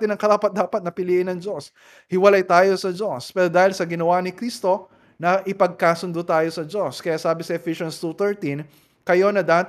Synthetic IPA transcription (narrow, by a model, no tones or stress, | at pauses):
t̪ɪnɐŋkɐɾaːpɐt̪̚d̪aːpɐt̪̚nɐpɪliːʔɪnɐŋd͡ʒo̞s | hɪwɐlajt̪aːjo̞sɐd͡ʒo̞spɛːɾod̪aːhɪlsɐɡɪnɐwanɪkɾist̪o̞ | nɐʔɪpɐɡ̚kaːsʊnd̪ot̪aːjo̞sɐd͡ʒo̞skɐjaːsaːbɪsɐʔɛfiʃonst̪ut̪ɛɹt̪in | kɐjo̞nɐd̪aːt̪